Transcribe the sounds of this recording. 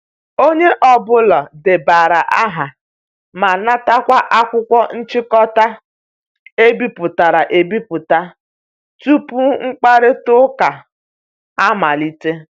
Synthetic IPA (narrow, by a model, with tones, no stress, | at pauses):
o˦ɲe˦ʔɔ˨bʊ˦lɔ˨dɪ˨ba˨ɾa˨ʔa˦ɦa˨ | ma˨na˦ta˦kʷa˦ʔa˦kʷʊ˦kʷɔ˦n̩˦t͡ʃɪ˦kɔ˦ta˦ | e˦bi˦pʊ˨ta˨ɾa˨ʔe˨bi˦pʊ˨ta˦ | tu˦pu˦ŋ̩˦k͡pa˦ɾɪ˦tʊ˦ka˨ | a˦ma˨li˦te˦